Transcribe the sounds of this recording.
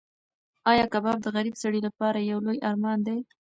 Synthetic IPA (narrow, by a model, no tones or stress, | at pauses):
ɑjɑkabɑb̚d̪əɣaɾibsaɽilapɑɾajawlojʔɑɾmɑnd̪ej